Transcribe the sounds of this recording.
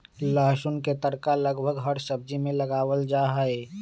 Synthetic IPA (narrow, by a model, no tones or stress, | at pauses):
ləɦʃʊnket̪əɾkaləɡbʱəɡɦəɾsəb̚d͡ʒimẽlɐɡaːwəld͡ʒaːɦəe